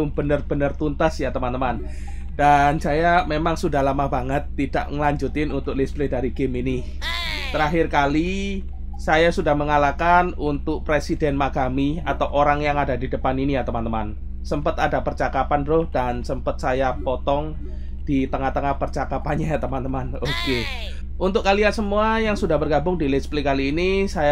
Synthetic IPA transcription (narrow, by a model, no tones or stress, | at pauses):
ʊmb̥ənərb̥ənərt̪unt̪asjat̪əmant̪əman | d̥ansajamemaŋsudahlamabaŋət̪ːid̥a̰ʔŋəlaɲd͡ʒut̪ɪnunt̪ʊk̚lɪsblɪdaɾiɡəminɪ | t̪əɾaɦɪrkali | sajasudahməŋalakanunt̪ʊk̚pɾesidɛnmaɡamia̰t̪awʔoɾaŋjaŋadadidəpaninijat̪əmant̪əman | səmpət̪adapərt͡ʃakapanɾʊhd̥ansəmpət̪̚sajapot̪ɔŋ | d̥it̪əŋaht̪əŋahpərt͡ʃakapanɲajat̪əmant̪əmanoke | unt̪ʊkalijasəmuajaŋsudahbərɡabʊŋdilɪsplikaliːnisaja